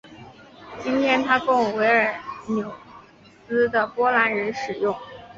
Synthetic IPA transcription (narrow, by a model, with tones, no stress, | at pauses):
t͡ɕi˥nt̪ʰjɛ˥nt̪ʰa˥kʊ˥˩ŋwe˧˥ɪə˞˨˩njo˨˩ʊ | t͡sɹ̩˥d̪ə˨pwɔ˥la˧˥nɻə˧˥nʂɻ̩˨˩jʊ˥˩ŋ